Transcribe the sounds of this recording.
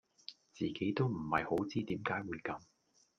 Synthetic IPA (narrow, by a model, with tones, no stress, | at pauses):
t͡siː˨ke˨˥jt̪o˥wm̩˨˩hɐ˨jho˨˥wt͡siː˥t̪iː˨˥mkaː˨˥jwuː˨˧jkɐ˨˧m